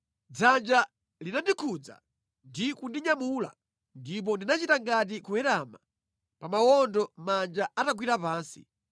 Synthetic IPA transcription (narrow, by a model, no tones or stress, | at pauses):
d͡zand͡ʒa | linandikʰud͡za̰ | ndikundiɲamuːla̰ | ndip̬ɔndinat͡ʃitaŋɡat̬ikuwɛɾama | pamawɔndɔmand͡ʒaataɡwiɾapaːnsi̥̰